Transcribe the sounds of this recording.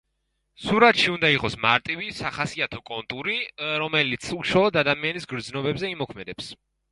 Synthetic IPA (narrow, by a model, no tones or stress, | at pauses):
suɾat̪ʃiund̪aiqʼɔsmaɾt̪ʼivisaχasiat̪ʰɔkʼɔnt̪ʼuɾiɾɔmɛlit̪sʰuʃalˠɔd̪ad̪amianisɡɾd̪znɔbɛbzɛimɔkʰmɛd̪ɛps